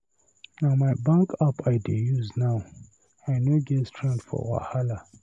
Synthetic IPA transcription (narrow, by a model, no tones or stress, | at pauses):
namaɪbãŋkʰapʰaɪdejuznaw | aɪnoɡɛtstʰɹɛ̃ndfɔ̰wa̰hala